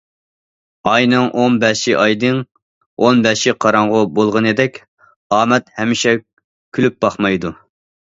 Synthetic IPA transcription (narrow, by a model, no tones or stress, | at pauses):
ɑjnɨŋʔonbɛʃiʔɑjd̪ɨŋ | onbɛʃiqʰɑɾɑŋʁʊbolˠʁənɨd̪ɛkʲ | ɑːmɛt̪hɛmːɪʃɛ | kʲʰylyp̚b̥ɑχmɑjd̪u